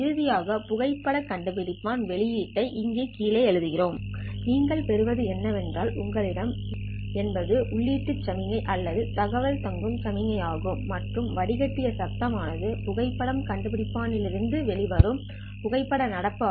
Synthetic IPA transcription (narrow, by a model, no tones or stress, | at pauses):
ɪɾɯðɪjaːɣɐpʊɣɐɪpːɐɽɐkɐɳɖɯpɪɽɪpːaːnʋɛɭɪjiːʈːɐɪʔɪŋɡeːkiːlɐːɛɻɯðɯɣɪroːmniːŋɡɐɭpɛɾɯʋɐðɯɛnːɐʋɛndraːlʔʊŋɡɐɭɪɽɐm | ɛnbɐðɯʔʊɭːiːʈːɯt͡ʃːɐmɪŋɐɪʔɐlːɐðɯt̪ɐɣɐʋɐlt̪ɐŋɡɯmt͡ʃɐmɪŋɐjaːɣɯmːɐʈrɯmʋɐɽɪɣɐʈːɪjɐsɐk̚t̪ːɐmaːnɐðɯpʊɣɐɪpːɐɽɐmkɐɳɖɯpɪɽɪpːaːnɪlɪɾɯnd̪ɯʋɛɭɪʋɐɾɯm | pʊɣɐɪpːɐɽɐnɐɽɐpːɯ